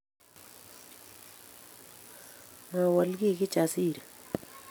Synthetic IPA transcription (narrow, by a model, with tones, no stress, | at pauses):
ŋa˨wa˨lɡi˦˨ki˦t͡ʃa˨si˦˨ɾe˨